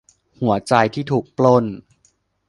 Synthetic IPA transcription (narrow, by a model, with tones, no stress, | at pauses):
hu˩˦ɐt͡ɕa˧jt̪ʰiː˥˩t̪ʰuː˨˩k̚plo˥˩n